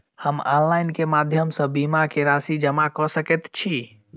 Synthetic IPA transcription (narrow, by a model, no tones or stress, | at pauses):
həmɔ̰nlajnkemad̪ʱjəmsə̃bimakeɾasid͡ʒəmakɔsəkɛt̪t͡ʃʰi